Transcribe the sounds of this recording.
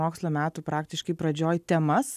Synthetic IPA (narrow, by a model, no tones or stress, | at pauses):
oːkslˠoːmʲæːt̪uːpɾɑːkt̪ʲɪʃkɐɪpɾɐd͡ʒʲoːjt̪ʲɛmɐs